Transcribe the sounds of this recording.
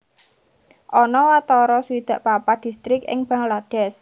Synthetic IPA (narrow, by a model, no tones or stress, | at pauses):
ʔɔnɔwat̪ɔɾɔsuwid̪̥ä̤ʔpapad̪̥i̤st̪ɾɪkɪ̰ŋb̥a̤ŋlad̪̥ɛ̤s